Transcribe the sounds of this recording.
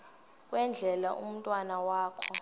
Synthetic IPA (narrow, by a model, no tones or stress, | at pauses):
k̬ʼwɛnd͡ɮʱɛlaʔum̩tʼwanawaːkʰɔ